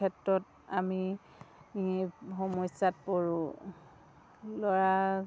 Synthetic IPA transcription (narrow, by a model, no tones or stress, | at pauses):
ɛtɹɔt | ami | ɦɔmɔjsat̚poɹʊ̃ | lɔɹa